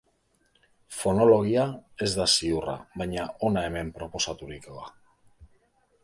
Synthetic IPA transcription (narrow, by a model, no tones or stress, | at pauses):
fo̞no̞lo̞ɣ̞iae̞zd̪asiura̰βajɲaʔo̞nae̞me̞mpɾo̞po̞sat̪uɾikoða